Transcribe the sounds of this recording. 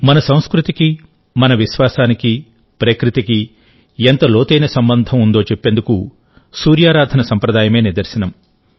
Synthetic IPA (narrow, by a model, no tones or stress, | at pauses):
mɐnɐsɐ̃w̃skɾut̪iki | mɐnɐʋiʃʋaːsaːniki | pɾekɾit̪iki | ent̪ɐloːt̪ejnɐsɐmbɐnd̪ʱɐmund̪oːt͡ʃepːe̞nd̪uku | suːɾjaːɾaːd̪ʱɐnɐsɐmpɾɐd̪aːjɐme̞ːniɾd̪ɐɾsɐnɐm